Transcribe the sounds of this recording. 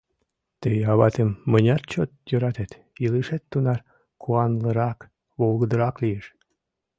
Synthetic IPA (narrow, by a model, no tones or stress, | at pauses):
t̪əjɑβɑt̪emːənʲɑt̪̚t͡ɕot̪jøɾɑt̪et̪ | iləʃet̪ːunɑr | kʰuɑnləɾɑk | βolɣəd̪əɾɑklieʃ